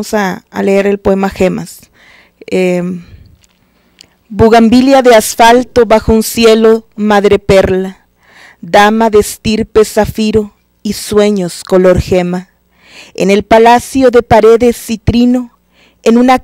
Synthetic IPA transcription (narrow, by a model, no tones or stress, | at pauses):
osa̰ːleeɾelpoemaxema̰s | e | buɣambiljaðeasfalt̪oβaxounsjelomaðɾepeɾla | d̪amaðest̪iɾpesafiɾo | iswe̞ɲoskoloɾxema | ḛnelpalasjoðepaɾeðesit̪ɾino | enũna